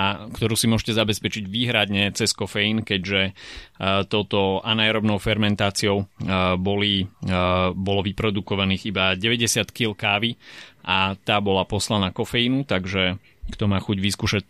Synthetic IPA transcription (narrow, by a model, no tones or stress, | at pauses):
akt̪ɔɾuːsimʊɔʒɛcɛzabɛspɛt͡ʃiɟʋiːɦɾad̪ɲɛt͡sɛskɔfɛjiːnkɛɟʒɛ | t̪ɔʊt̪ɔanajaɾɔbnɔʊfɛɾmɛnt̪aːt͡siɔʊbɔli | bɔlɔʋipɾɔd̪ukɔʋaniːɣibaɟɛʋɛɟɛsɪat̪kilkaːʋiʔat̪aːbɔlapɔslanakɔfɛjinut̪aɡʒɛ | kt̪ɔmaːxuɟʋiskuːʃac̚